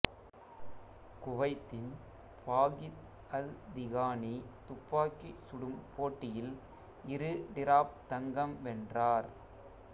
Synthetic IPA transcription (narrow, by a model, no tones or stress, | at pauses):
kʊʋɐɪt̪ːɪn | paːɣɪt̪ | ɐld̪ɪɣaːnit̪ʊpːaːkisʊɽɯmpoːʈːɪjɪl | ɪɾɯɖɪɾaːp̚t̪ɐŋɡɐmʋɛndraːɾ